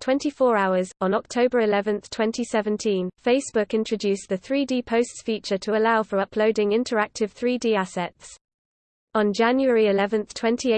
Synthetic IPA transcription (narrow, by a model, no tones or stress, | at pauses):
tʰw̥ɛ̃ntifɔːɹaʊəzn̩ɒk̚tʰəʊbəɹɪlɛvə̃nθtʰw̥ɛ̃ntʰisɛvə̃ntʰĩnfeɪsb̥ʊkɪ̃nt͡ʃɹ̥əd͡ʒʉˑsðəθɹiːdiːpʰəʊstsfiˑt͡ʃətʰəəlaʊfəɹʌpʰləʊdɪ̃ŋɪ̃ntʰəɹak̚tʰɪv̥θɹiːdiːasɛts | ə̃nd͡ʒãnjuəɹiɪlɛvə̃nθtʰw̥ɛ̃ntʰi